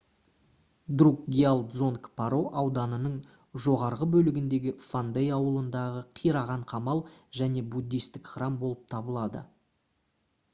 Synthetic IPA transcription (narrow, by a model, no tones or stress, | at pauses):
d̪ruk̚ɡʲialˠd̪zo̞ŋkpʰaɾo̞ʔɑwd̪ɑnənəɴ | ʒo̞ʁɑɾʁəbɵlɪɡʲɪnd̪e̞ɡʲɪfand̪ejɑwəlˠənd̪ɑʁəqʰijɾɑʁɑɴqʰɑmɑlˠʒæne̞bud̪ːijst̪ɪkχrɑmbo̞lˠəp̚t̪ʰɑbəlˠɑd̪ə̰